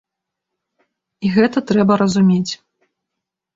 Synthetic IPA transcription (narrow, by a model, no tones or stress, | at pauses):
iɣɛt̪ɐt̪ɾɛbɐɾɐzumʲet͡sʲ